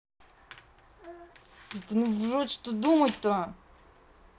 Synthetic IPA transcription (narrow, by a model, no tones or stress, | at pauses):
ɛt̪nuvʐot̪ʲʂt̪od̪umət̚ʲt̪o